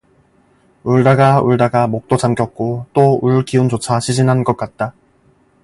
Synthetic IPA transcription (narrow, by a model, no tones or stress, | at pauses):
uɭdaɡauɭdaɡamok̚t͈ot͡ɕamɡjʌk̚k͈ot͈ouɭkiund͡ʑot͡ɕʰaɕʰid͡ʑinɦanɡʌk̚k͈at̚t͈a